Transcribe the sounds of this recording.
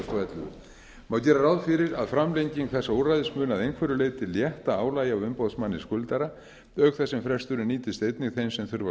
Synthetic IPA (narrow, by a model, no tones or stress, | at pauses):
st̪ɔɛt̪lʏ̰ | mawcɛːɾarawðfɪɾɪɾaðfɾamlejɲciŋkθɛsːaowrajðɪsmʏːnaðejnkʰvɛɾʏleːjt̪ɪljɛht̪aaːwlaːjawʏmpowðsmanːɪskʏlt̪aɾa | œːkθɛsːɛmfɾɛst̪ʏɾʏniːt̪ɪst̪ejt̪nɪɣθejnsɛmθʏɾva